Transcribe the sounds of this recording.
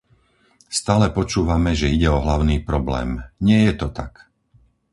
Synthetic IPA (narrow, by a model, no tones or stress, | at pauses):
st̪aːlɛpɔt͡ʃuːʋamɛʒɛiɟɛɔɦlaʊniːpɾɔblɛ̰ːmɲɪɛjɛt̪ɔt̪ak